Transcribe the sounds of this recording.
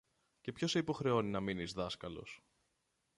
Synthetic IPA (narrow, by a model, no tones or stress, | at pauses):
ce̞pço̞seipo̞xɾe̞o̞ninɐminizðɐskɐlo̞̰s